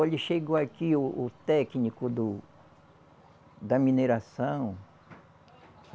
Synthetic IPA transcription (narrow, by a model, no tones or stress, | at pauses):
elɪʃeɡoakiʊːt̪ɛknikʊd̪ʊ | d̪ɐmineɾasɐ̃w̃